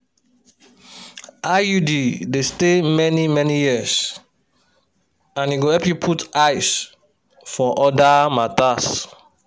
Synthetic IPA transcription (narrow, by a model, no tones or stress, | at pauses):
ʔajudidestemɛnimɛnijiəs | ãnjuɡohɛpjupʰutaɪs | fɔʔɔdamatas